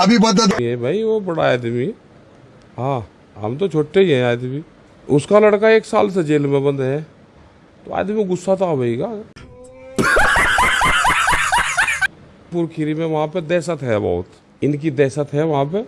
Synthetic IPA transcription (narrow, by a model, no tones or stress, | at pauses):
ɐbʱibɐd̪̬ad̪ɦɛ̃bʱaiʋobɐɽaaːd̪mi | ɦãː | ɦɐ̰mt̪ot͡ʃʰoːʈːeiɦɛ̃aːd̪mi | ʊskalɐɽkaeːksa̰ːlsed͡ʒeːlmẽbɐ̃nd̪ɦɛ | t̪oa̰ːd̪miɡʊsːat̪aːbʱɐiɡa | pʊɾkʰiɾimẽʋɐɦãped̪ɛːsət̪ɦɛbɔ̰ːʊt̪ | ɪnk̬id̪ɛːsət̪ɦɛʋɐɦãp̬e